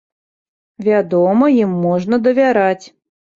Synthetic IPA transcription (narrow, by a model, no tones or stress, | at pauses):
vʲad̪ɔmɐjimːɔʐnɐd̪ɐvʲaɾat͡sʲ